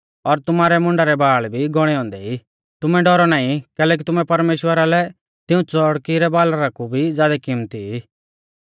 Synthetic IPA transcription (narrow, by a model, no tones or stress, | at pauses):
ɔɾt̪ʊmaːɾɛmʊ̃ɳɖaɾɛbaːɭbʱiɡɔɽ̃ɛɦɔ̃ːnd̪ɛi | t̪ʊmɛɖɔɾɔnaːĩkɛːlɛːk̬it̪ʊmɛ̃pɐɾmeːʃwəɾalɛ | t̪ɪũt͡sɔɽkiɾɛbaːlaɾakubʱid͡zjaːd̪akɪmt̪ii